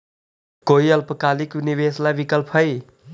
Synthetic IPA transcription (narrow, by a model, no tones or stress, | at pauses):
koiʌlpʌkaliknibeslabikʌlpʰɦʌj